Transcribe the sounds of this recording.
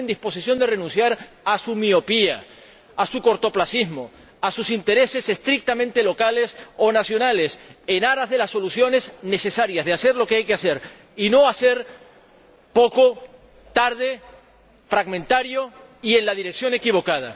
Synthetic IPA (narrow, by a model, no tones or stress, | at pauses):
end̪ispo̞sisjo̞nd̪e̞re̞nũnsjaɾ | asumio̞pia | asuko̞ɾt̪o̞plasizmo | asusint̪e̞ɾe̞se̞se̞st̪ɾik̚t̪amẽnt̪e̞lo̞kale̞so̞nasjo̞nale̞senaɾazðe̞lasːo̞lusjo̞ne̞sne̞se̞saɾjazðease̞ɾlo̞keajkease̞ɾ | ino̞ase̞ɾ | po̞ko̞ | t̪aɾð̞e̞ | fɾaɣmẽnt̪aɾjo̞ | ie̞nlað̞iɾeksjo̞ne̞kiβ̞o̞kað̞a̰